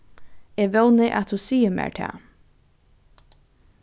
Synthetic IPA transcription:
eːʋœwnəʔa̰t̪ʰhuːsiːəmḛːɹt̪ʰæ̰ː

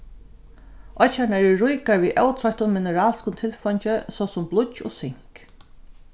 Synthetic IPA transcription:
ɔt͡ʃanɛɾɛɹʊjkaɹviːʔœwt̪ʰɾɔjt̪ʊnmɪnəɾaːlskʊnt̪ʰɪlfɔɲt͡ʃəsɔsʊmblʊcːo̰ːsɪŋ̥k

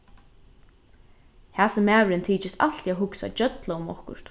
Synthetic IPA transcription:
haːsʊmːæːʋɾɪnt̪ʰiːt͡ʃɪst̪a̰lt̪iaɦʊksa̰t͡ʃœt̪laʊmɔ̰hkʊ̰ɾ̥t̪

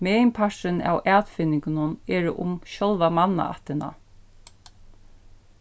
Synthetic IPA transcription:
mɛːɪmpʰaʂɾɪna̰wʔæːt̪fɪnːɪŋkɪnʊnɛːɾɪʔʊ̰mʃɔlʋamanːa̰a̰ht̪ɪna̰

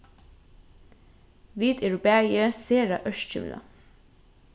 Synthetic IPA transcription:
ʋiːt̪eɹubæːjəseːɹa̰ʔœʃt͡ʃə̰mla̰

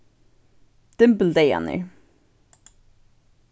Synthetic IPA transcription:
d̪̥ɪmbəl̩d̪eɪæ̰nə̰ɹ

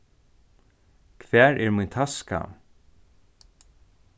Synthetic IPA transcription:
kʰvɛːɹʔɛɹmujnt̪ʰaska̰

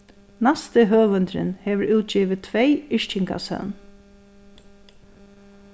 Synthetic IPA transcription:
nast̪ɪɦœːʋʏnt̪ɾɪ̰nhɛːʋɹʔuːt̪̚t͡ʃiːʋɪt̪ʰʋɛjɪʂt͡ʃɪŋka̰sœ̰n

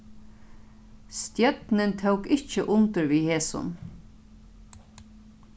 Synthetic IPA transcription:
st̪jœt̪nɪnt̪ʰowkɪht͡ʃəʔʊnt̪ɪɹʋiːheːsʊ̰n

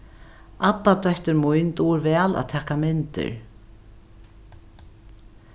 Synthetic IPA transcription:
ʔapːat̪œht̪ʏɾmujnt̪uːɾvɛːla̰ðt̪ʰɛːhkamɪnt̪ɪ̰ɹ

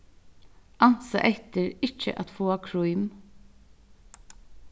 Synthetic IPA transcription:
ʔɑnsə̰ʔɛt̪əɹɪc͡çə̰ʔɑt̪foːɑkʰɹuʏm

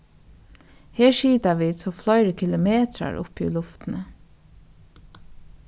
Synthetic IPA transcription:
hɛːɹʃiːt̪aʋisʰɔːflɔʏɾəkʰɪlʊmeːt̪ɾa̰ɹʊ̰pṵlʊft̪ɪnə

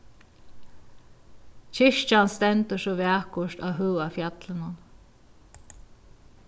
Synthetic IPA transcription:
t͡ɕʰɪʃt͡ʃanst̪ɛnt̪əsɔvɛːhkʊʂt̪a̰wɦœːafjat̪lɪnʊn

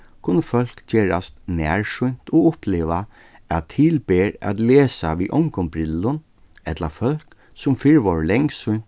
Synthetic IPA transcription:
kʰʊnːəfœl̥kd͡ʒeːɹa̰st̪næ̰ːɹʂʊn̥t̪ɔʊpleːʋa | æt̪ʰːɪlbeːɹæ̰t̪leːsaʋiːʔɔŋkʊmbɾɪlːʊn | ɛt̪lafœl̥k | sʊmfɪɹʋɔɹlɛŋksʊjn̥t̪

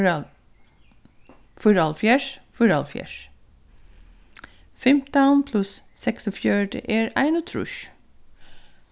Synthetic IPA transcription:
fʊɾɑlfjæʂfʊɾɑlfjæ̰ɹ | fɛmt̪anpʰlʉsː | ɛksɔfjœɖə̰ʔeːɹæ̰ɪnʊt̪ʰɾʉ̰ʃ

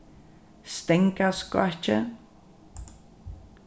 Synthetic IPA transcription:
st̪ɛŋkaskwa̰ht͡ʃə̰

